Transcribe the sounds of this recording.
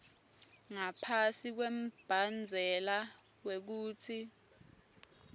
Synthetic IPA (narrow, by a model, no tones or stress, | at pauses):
ŋapʰasik̬wem̩b̥ʱand͡zʱɛla | wek̬uːt͡sʰi